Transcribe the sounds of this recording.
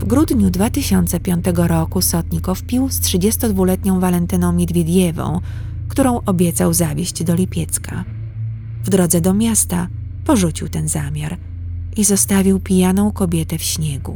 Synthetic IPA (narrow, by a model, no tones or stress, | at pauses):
vɡɾud̪ɲud̪vat̪ɘɕɔnt̪sɛpʲjɔnt̪ɛɡɔɾɔkusɔt̪ɲikɔfpʲiwstʂɘd͡ʑɛst̪ɔd̪vulɛt̪ɲɔ̃w̃valɛnt̪ɘnɔ̃w̃mʲɛd̪vʲed̪ʲjɛvɔ̰̃w̃ | kt̪uɾɔ̃w̃ʔɔbʲjɛt̪sawzavʲjeɕd͡ʑd̪ɔlʲipʲjɛt̪skʰa | vd̪ɾɔd̪zɛd̪ɔmʲjast̪a | pɔʐut͡ɕiwt̪ɛnzamʲjaɾ | ʔizɔst̪avʲiwpʲijanɔ̃w̃kɔbʲjɛt̪ɛfɕɲɛɡṵ